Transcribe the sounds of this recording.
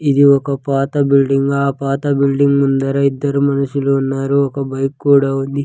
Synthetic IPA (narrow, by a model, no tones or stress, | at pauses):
id̪iɔkɐpaːt̪ɐbilɖiŋɡaːpaːt̪ɐbilɖiŋɡmund̪ɐɾɐid̪ːɐɾumɐnuʃuloːunːaːɾuɔkɐbɐjkːuːɽaund̪i